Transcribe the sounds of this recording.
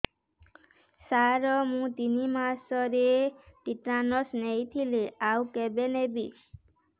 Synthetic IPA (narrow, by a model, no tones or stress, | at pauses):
saɾɔmũt̪inimasɔɾeʈiʈɾanɔsnejt̪ʰileawkebenebi